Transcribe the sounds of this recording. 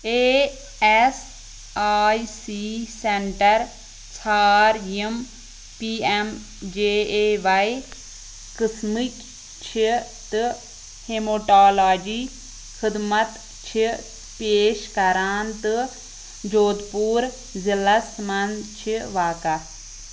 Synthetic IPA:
eː | es | aːisiseɳʈɐɾ | t͡ʃʰaːɾjem | piːem | d͡ʒeːeʋai | kɪsmik | t͡ʃʰi | t̪ɨ | hemoʈaːlaːd͡ʒiː | xid̪mɐt̪ | t͡ʃʰi | peːʃkɐɾaːnt̪ɨ | d͡ʒoːd̪puːɾ | zilɐsmɐnt͡ʃʰiʋaːka

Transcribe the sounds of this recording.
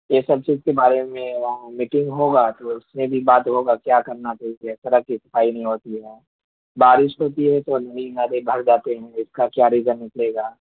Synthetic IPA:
jesɐb̚t͡ʃiːzkebaːɾemẽʋɐɦamiʈɪ̃ŋɡɦoːɡaːt̪oʊsmẽbʱibaːt̪ɦoɡakjaːkɐɾnat͡ʃaːɦid͡ʒɛsɐɾəkisɐ̥faːinɐɦĩɦoːt̪iɦɛː | baːɾɪʃɦoːt̪iɦɛt̪onɐninaːd̪ebʱɐɾd͡ʒaːt̪eɦɛ̃ɪskakjaːɾiːzənːɪkleːɡaː

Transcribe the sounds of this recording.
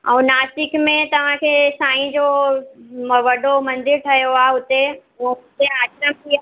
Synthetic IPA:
ɛ̃ːnaːsɪkmẽt̪ɐʋ̤ãkʰeːsaːɦĩd͡ʑoː | ʋɐɗomɐ̃nd̪ɪɾt̪ʰɐjoaːɦʊt̪ẽ | ʊt̪eaːkɾəmk̪iaː

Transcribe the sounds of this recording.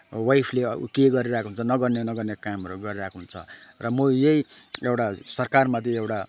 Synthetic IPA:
wajpʰlekeɡʌɾiɾakʰoɦunt͡sʰʌnʌɡʌrnenʌɡʌrnekamʌɾuɡʌɾiɾakʰoɦunt͡sʰʌ̰rʌmojejewʈasʌrkarmʌt̪iewʈa

